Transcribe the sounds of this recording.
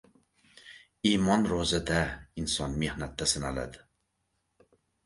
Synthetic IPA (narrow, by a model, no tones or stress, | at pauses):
imɒnɾozad̪ainsɒnme̞hnat̪ːasɪnala̰d̪ɪ